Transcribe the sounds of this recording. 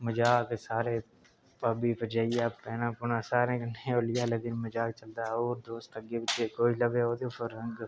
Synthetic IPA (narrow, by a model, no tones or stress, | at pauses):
məd͡ʒaːkesaːɾe | pəbipəd͡ʒaːijaːpɛːnãːpʊnasaːɾeknẽolɪjaːlekɪnməd͡ʒaːk̚t͡ʃəld̪aoːɾd̪oːst̪əɡebɪt͡ʃekoːiləbeɦoːd̪epʰəɾə̃ŋɡ